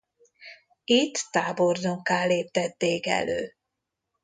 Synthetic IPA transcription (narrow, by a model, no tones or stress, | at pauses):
it̪ːaːbo̞rd̪oŋkaːllːeːp̚t̪ɛt̪ːeːkɛ̰lø̰ː